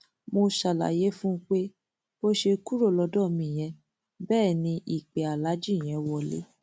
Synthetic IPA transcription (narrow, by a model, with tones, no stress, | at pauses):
mo˧ʃa˨la̰˨je˨˦fũ˦k͡pe˦ | bo˦ʃe˧ku˦ɾo˦˨lɔ˧dɔ̃˦˨mĩ˦˨j̃ɛ̃˧˦ | bɛː˦˨nĩ˧ʔi˦˨k͡pɛ˨a˨la˨˦d͡ʒĩ˦˨j̃ɛ̃˨˧˦wɔ˧˨lḛ˨˦